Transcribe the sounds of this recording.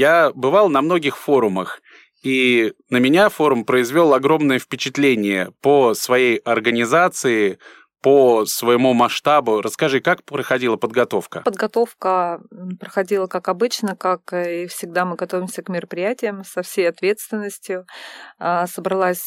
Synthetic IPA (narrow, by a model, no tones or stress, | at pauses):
jabɨvɑlˠnɐmno̞ɡʲɪxfo̞ɾʊməx | inəmʲɪnʲafo̞ɾʊmpɾəɪzvʲo̞lˠɐɡɾo̞mnəjəfpʲɪt͡ɕɪt̪lʲenʲɪjə̰pəsvɐjejɐrɡənʲɪzat̪sɨɪ | pəsvəjɪmumɐʂt̪abʊɾʔəskɐʐɨkakpɾəxɐdʲilˠəpəd̪̚ɡɐt̪o̞fkəpəd̪ɡɐt̪o̞fkəpɾəxɐdʲilˠəkakɐbɨt͡ɕnəkakifsʲɪɡ̚d̪amɨɡɐt̪o̞vʲɪmsʲəkmʲɪɾəpɾʲɪjætʲɪjəmsɐfsʲejɐt̪vʲe̞t̪st̪vʲɪnːəsʲtʲjʊasəbɾɐlˠasʲ